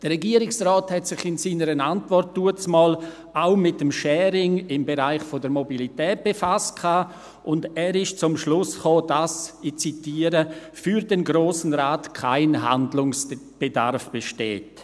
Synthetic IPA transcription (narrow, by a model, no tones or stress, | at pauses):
d̥əʁɛɡiːəɾɪksrɔːthɛtsɪχɪnsiːnəɾənantvɔrtːuət͡smɔːl | aʊmɪtːəmʃɛːɾɪŋɪmbeɾaɪχfodəɾmobilitɛːt̚b̥efast̚kʰaː | ʔʊndɛːɾɪʃt͡sʊmʃlʊsχoːdasɪt͡sitiːəɾə | fyːɾdenɡɾoːsn̩ɾaːtkʰaɪnɦa̰ndlʊŋsb̥eda̰ɾfb̥eʃtḛːt